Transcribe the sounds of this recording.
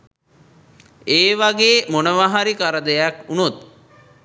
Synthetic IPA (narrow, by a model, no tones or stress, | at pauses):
eːʋaɡeːmonəʋaɦaɾikaɾəd̪əjakunut̪